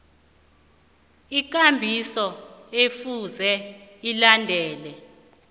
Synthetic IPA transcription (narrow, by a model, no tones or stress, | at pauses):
ik̬ʼambʱisɔefuzɛilandʱɛːlɛ